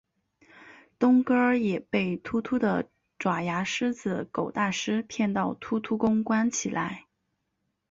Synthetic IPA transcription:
t̪ʊ˥ŋkə˥jɛ˨˩pe˥˩ɪt̪ʰu˥t̪ʰu˥d̪ə̰˨ | ʈ͡ʂwa˨˩ja˧˥ʂɻ̩˥t͡sɹ̩˨˧˩ko˨˩ʊt̪a˥˩ʂɻ̩˥pʰjɛ˥˧nt̪ɑ˥˩ʊt̪ʰu˥t̪ʰu˥kʊ˥ŋkwa˥nt͡ɕʰi˨˩lʔa̰˧˥ɪ

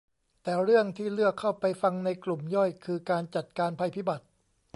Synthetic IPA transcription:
t̪ɛː˨˩ɾɯ˥˩əŋt̪ʰiː˥˩lɯ˥˩əkʰːa˥˩wpa˧jfa˧ŋna˧jklu˨˩mjɔ˥˩jkʰɯː˧kaː˧nt͡ɕa˨˩t̪̚kaː˧npʰa˧jpʰiː˦˥˩ba˨˩t̪̚

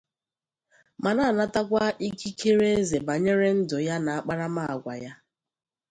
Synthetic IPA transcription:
ma˨na˦a˨na˦ta˦kʷa˦ʔi˦ki˦kʰe˦ɾe˦e˦ze˨ba˨ɲe˦ɾe˦n̩˦dʊ˨ja˦na˨a˦k͡pa˦ɾa˦ma˦a˨ɡʷa̰˨ja˦

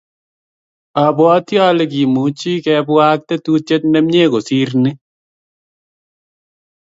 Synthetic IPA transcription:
a˨bɔ˨˦tjɔ˦le˨ki˨mu˨˦t͡ʃi˦kɛ˧bwa˦k̚te˦tu˦t͡ʃe˦tnɛ˦mɲe˦ko˨si˦ɾni˦

